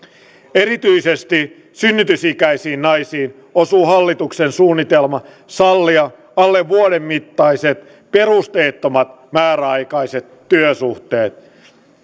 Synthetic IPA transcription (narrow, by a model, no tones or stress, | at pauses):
eɾit̪yisest̪i | synːyt̪ysikæisiːnnɑisiːn | osuːhɑlːit̪uksensuːnːit̪elmɑ | sɑlːiɑ | ɑlːeʋːuoɾemːit̪ːɑiset̪ | pe̞rust̪eːt̪ːomɑt̪ | mæːɾæɑjkɑiset̪ːyøsuht̪eːt̪